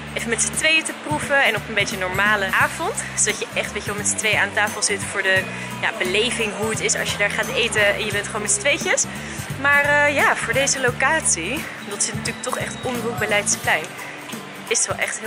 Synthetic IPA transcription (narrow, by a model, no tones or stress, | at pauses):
ʔevənmɛtsətʋejətəpruvəɛnɔpənbejtənɔɹmaːləʔaːvɔnt | sodɑcjəʔɛχtʋejçəʋɛlˠmɛtsə̥tʋejəaːndətaːfəlˠzɪtfʊːɹdə | ja̰ːbəlejvɪŋɦuətɪsɑ̰ʃjədaːɹχaːtejtəɛ̰njəbɛntχəʋoːnmɛtsə̥tʋejcəs | maːɹəjaːv̥ʊːɹdejzəlowkaːtsi | dɑtsɪtntyːlək̚tɔχɛχtʔɔndəruk̚bəlɛjtsplɛjn | ɪsətʋɛlˠʔɛ̰χtɦ